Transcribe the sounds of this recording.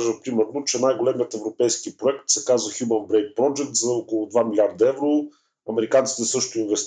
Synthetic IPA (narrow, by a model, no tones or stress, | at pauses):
ʒəpɾimɛɾnot͡ʃɛnajɡolɛmijət̪ɛvɾopɛjskipɾoɛkt̪sɛkazvəxʲjumənbɾɛjt̪̚pɾɔd͡ʒɛk̚t̪zɐokolˠʊd̪vamilʲaɾd̪ɐɛvɾo | ɐmɛɾikant̪si̥t̪ɛsɤʃt̪ʊinvɛst̪